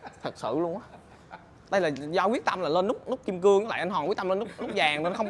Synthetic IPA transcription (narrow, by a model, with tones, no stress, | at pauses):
t̪ʰə˨˩t̚sɨ̰˧˨lu˧ənʔaː˨˦ | ɗə˧jlaː˨˩zɔ˧kwi˦˥ət̚t̪a˧mlaː˨˩lə˧nːʊ˦˥k͡p̚nʊ˦˥k͡p̚t͡ɕi˧əmkɨ˧əŋʔa˧˦la̰ː˧˨ʔnɦwa˨˩wi˦˥t̚t̪mlə˧nːʊ˦˥k̚lʊ˦˥k͡p̚zaː˨˩ŋː˨˩˨nxə˧wŋ͡m